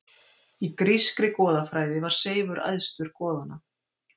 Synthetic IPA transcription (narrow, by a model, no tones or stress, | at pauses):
ikɾiskɾɪkɔːðafɾaːjðɪvaɾ̥seːjvʏɾʔa̰jðst̪ʏɾ̥kɔːðana